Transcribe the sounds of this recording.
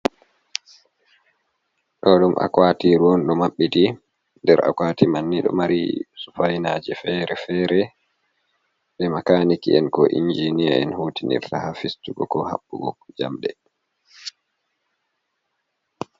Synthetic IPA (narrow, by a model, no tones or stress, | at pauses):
ɗɔɗumʔa̰kwatiɾwɔnɗɔmaɓːiti | ndɛɾa̰kwaːtimanːiɗɔ̰maɾḭsufajnaːd͡ʒɛfɛːɾɛfɛːɾɛ | ɓɛmakanikiɛnkɔʔind͡ʒinia̰ɛ̰nhuːtinḭɾtahafistuɡɔkɔha̰ɓːuɡɔkːd͡ʒa̰mɗɛ